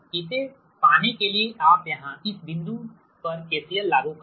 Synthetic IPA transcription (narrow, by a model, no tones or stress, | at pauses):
kɪse | paːnekelieʔaːpjɐɦãɪsbɪ̃nd̪ʱu | pɐɾkeːsiəlːaːɡũk